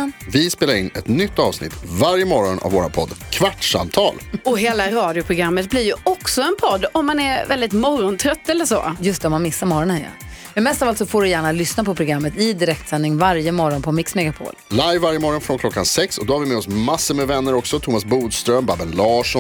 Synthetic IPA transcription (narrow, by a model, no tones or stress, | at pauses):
vɪspeːlaɾɪnːɛt̪nʏt̪ːɑːvsnɪ̰t̪ːvaɾjəmɔɾɔna̰voːɾa̰npʰɔd̪ːkʰvaʈʂa̰mt̪ʰɑ̰ːlɔɦeːlaɾɑːd̪jʊpʰɾʊɡɾamːət̪̚blɪɾjɵɔksɔɛnpʰɔd̪ːɔmːanɛɾvɛld̪ɪt̪mɔɾɔnt̪ʰɾœt̪ːɛlːəʂɔ̰ːjɵst̪ɛɔmːanmɪsːaɾmɔɾɔnhɛja̰ | ɛmɛst̪aːfalsɔfoːɖɵjæːɳalʏsnapʰɔpʰɾʊɡɾamːət̪ɪd̪ɪɾɛk̚t̪sɛnːɪŋvaɾjəmɔɾɔnpʰɔmɪksmɛɡapʰo̰ːllajvːaɾjəmɔɾɔnfɾɔnkʰlɔkːansɛksɔd̪ɔhaɾvɪmeːɔsmasːəɾmɛvɛnːəɾɔksɔt̪ʰumasbuːd̪st̪ɾœmbabɛlːɑːʂɔ